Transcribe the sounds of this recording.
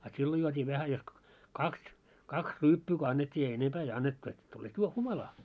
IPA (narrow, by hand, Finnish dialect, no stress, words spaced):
ɑ silːo juotʲiː ʋæhæ jos kŏ kɑks kɑks ryːpːyː ko ɑnːetʲːiː ei enempæː ei ɑnːetːu et tulet juo humɑlɑː